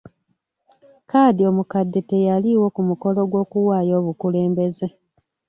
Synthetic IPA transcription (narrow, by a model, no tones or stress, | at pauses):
kaːdio̞mukadːete̞jaliwo̞kumuko̞lo̞ɡwo̞ːkuwaːjo̞ːβukule̞ːmbe̞ze̞